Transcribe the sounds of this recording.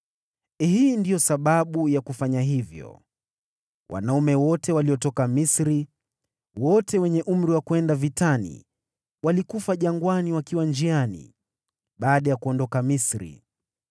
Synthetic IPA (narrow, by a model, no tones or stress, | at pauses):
hiːndijɔsaɓaɓujakufaɲaɦivjɔ̰ | wʔa̰naumɛwɔtɛwaliɔtɔkamisɾi | wɔtɛwɛɲɛʔum̩ɾiwakuɛndavitanḭ | walikufaʄaŋɡwaniwakiwand͡ʒianḭ | ɓaːɗajakuɔndɔkamisɾḭ